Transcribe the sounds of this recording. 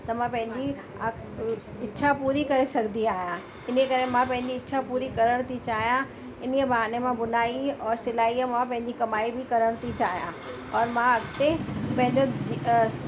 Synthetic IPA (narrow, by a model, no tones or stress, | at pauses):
t̪ɐmãpɐ̃ɦɪ̃ɲd͡ʑi | ɪtːʃʰapuːɾikɐɾesɐɡʱnd̪iaːɦijã | ɪnəkɐɾemãpɐ̃ɦɪ̃ɲd͡ʑiɪtːʃʰapuːɾikɐɾəɽ̃t̪ʰit͡ɕaːɦijã | ɪniəbaːnemãbʊnaːiɔːɾsɪlaːimãpɐ̃ɦɪ̃ɲ̆d͡ʑikɐmaːibʱɪkɐɾəɽ̃t̪ʰit͡ɕaːɦijã̰ | ɔːɾmãɐɡt̪epɐ̃ɦɪ̃ɲd͡ʑo